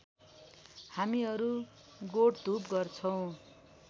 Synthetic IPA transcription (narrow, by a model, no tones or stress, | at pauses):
hamiʌɾu | ɡoɽd̪ʱupɡʌrt͡sʰʌw̃